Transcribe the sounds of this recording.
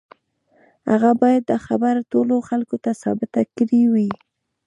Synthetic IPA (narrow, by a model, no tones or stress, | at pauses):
ha̰ɣabɑjad̪̚ːəxabaɾtoloxalkot̪asɑ̰bɪt̪akɾiwi